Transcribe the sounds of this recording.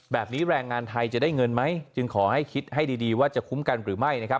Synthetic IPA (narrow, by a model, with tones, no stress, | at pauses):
bɛː˨˩p̚niː˦˥ɾɛː˧ŋːaː˧nt̪ʰa˧jt͡ɕa˨˩daː˥˩jŋɤ˧nma˦˥jt͡ɕɯ˧ŋkʰɔː˩˦ha˥˩jkʰi˦˥t̪̚ha˥˩jdiː˧diː˧waː˥˩t͡ɕa˨˩kʰu˦˥mka˧nɾɯː˩˦ma˥˩jna˦˥kʰp